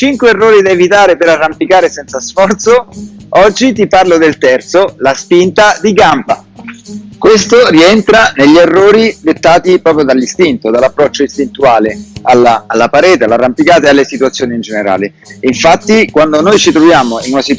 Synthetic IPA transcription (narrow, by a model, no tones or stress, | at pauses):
t͡ʃiŋkweːrːoːɾid̪aevit̪aːɾepeɾarːampikaːɾesɛnsasfɔrt̪soɔd͡ʒːit̪iparlod̪elt̪ɛrt̪solaspint̪ad̪iɡampa̰ | kwest̪oriɛnt̪ɾaneʎːerːoːɾid̪et̪ːaːt̪ipɾɔːpɾjod̪alːist̪int̪od̪alːapːɾɔt͡ʃːoist̪int̪uaːlealaːlːapaɾɛːt̪ealarːampikaːt̪ealːesit̪uat̪sːjoːniːnd͡ʒeneɾa̰ːle | iɱfat̪ːikwand̪onojt͡ʃit̪ɾovjaːmoinunasi